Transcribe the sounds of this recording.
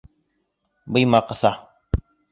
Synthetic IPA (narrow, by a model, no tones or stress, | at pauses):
bəjmaqəsa